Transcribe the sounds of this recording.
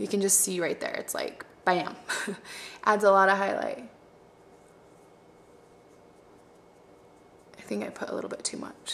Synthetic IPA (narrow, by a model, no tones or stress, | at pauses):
jɨkɨ̃nd͡ʒʌstsiɹaɪt̪̚ðə̰˞ɨ̰tsla̰ɪkb̥aɪæ̰̃m | ʔædzəlɔɾəɦaɪla̰ɪt̚ | ʔaɪθɪ̃ŋkaɪpʰʊɾə̰lɪ̰ɾl̩ˠbɪtʰʉmʌ̰t͡ʃ